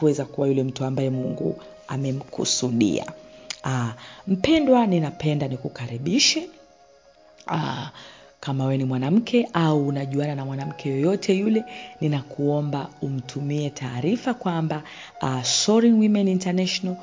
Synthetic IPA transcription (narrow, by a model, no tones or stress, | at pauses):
kuwɛzakuwajulɛm̩tuambajɛmuŋɡṵ | amɛm̩kʰṵsuɗḭa̰am̩pɛndwaninapɛndanikukaɾiɓiʃɛ | a | kamawɛnimwanam̩kʰɛʔauːnaʄuananamwanam̩kʰɛjɔjɔtʰɛjulɛninakuɔmbaum̩tʰumiɛtʰaːɾifakwamba | asɔɾiŋwimɛnintanaʃɔnal